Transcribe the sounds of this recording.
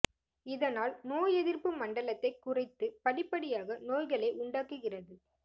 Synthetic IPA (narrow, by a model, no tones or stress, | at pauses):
ɪðɐnaːlnoːjɛðɪrpɯmɐɳɖɐlɐt̪ːɐɪkʊrɐɪt̪ːɯpɐɭɪpːɐɽɪjaːɣɐnoːjɣɐɭeːʔʊɳɖaːkɯɣɪrɐðɯ